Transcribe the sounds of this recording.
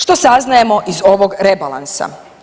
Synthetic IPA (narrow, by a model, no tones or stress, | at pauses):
ʃt̪o̞saznaje̞mo̞ʔizo̞ʋo̞ɡɾe̞balˠa̰nsa̰